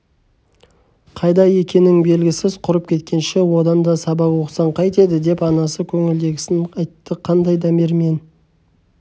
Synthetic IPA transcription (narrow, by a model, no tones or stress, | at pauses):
qʰɑjd̪ɑje̞kʲe̞nɪŋbe̞lɡʲɪsɪz̥qʰʊɾəp̚kʲʰe̞t̪̚kʲe̞nʃe̞wo̞d̪ɑnd̪ɑsɑbɑpwo̞qsɑɴqʰɑjt̪e̞d̪ɪd̪e̞pɑnɑsəkʲʰɵŋɪld̪e̞ɡʲɪsɪnɑjt̪ːəqʰɑnd̪ɑjd̪ɑme̞ɾme̞n